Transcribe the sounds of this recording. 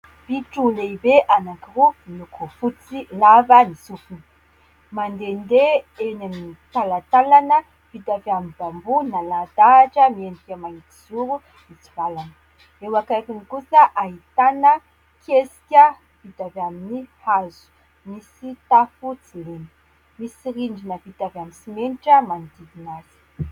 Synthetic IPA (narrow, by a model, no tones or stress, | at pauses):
b̥iʈ͡ʂuleibeʔanakiruinukufut͡silavənisufun | mand̪end̪eenamnit̪alat̪alanə | v̥id̪avjamibambunalad̪aʈ͡ʂəmiend̪ikʲamaɦit̪i̥z̥uɾu | mit͡sivalan | ewakakinikusəʔaɦit̪anə | kʰesi̥kʲə | v̥it̪avaminihazu̥ | misit̪afut͡sileni̥ | misiɾiɳɖ͡ʐinəvit̪avaminsimeniʈ͡ʂəmand̪ivinaz̥i̥